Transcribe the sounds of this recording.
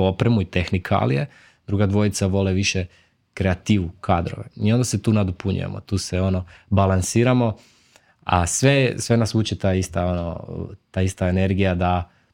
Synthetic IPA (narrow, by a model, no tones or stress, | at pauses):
opɾemuit̪exnikʰa̰lḭje | d̪̥ɾuːɡad̪ʋo̞it̪saʋo̞leʋiʃe | kɾeat̪iːʋukʰad̪ɾo̞̰ʋeiond̪aset̪uːnad̪opuɲṵjḛmo̰t̪uːseo̞no̞balansiːɾamo̞ | a̰sʋesʋe̞nasuːt͡ʃet̪aist̪ao̞no̰t̪aːist̪aene̞ɾɡijad̪a